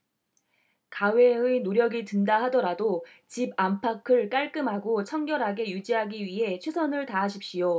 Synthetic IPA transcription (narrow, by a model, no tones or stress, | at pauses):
kawe̞ɯnoɾjʌɡitɯndaɦadʌɾadot͡ɕibampʰakʰɯɭk͈aɭk͈ɯmɦaɡot͡ɕʰʌŋɡjʌɾɦaɡe̞jud͡ʑiɦaɡiɥiɦe̞t͡ɕʰwesʰʌnɯɭtaɦaɕʰip̚ɕ͈ijo